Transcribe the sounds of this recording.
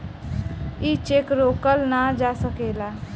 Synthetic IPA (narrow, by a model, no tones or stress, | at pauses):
it͡ʃekɾokəlnad͡ʒasəkela